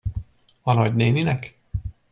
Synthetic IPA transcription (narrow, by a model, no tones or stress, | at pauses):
ɒnɒɟneːninɛk